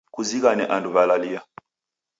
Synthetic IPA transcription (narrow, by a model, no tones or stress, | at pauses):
kuzikanɛʔanduβalalija